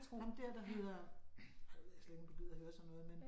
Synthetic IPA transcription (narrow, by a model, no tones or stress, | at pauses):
t͡sʰʁomd̥eɐ̰d̥ɑ̈ɦe̝ð̰ˠɐ | esleɾɡ̥n̥ʰɡ̥yð̰̩ˠɐhøːɐsɒ̽nːɔ̽ːð̩ˠmen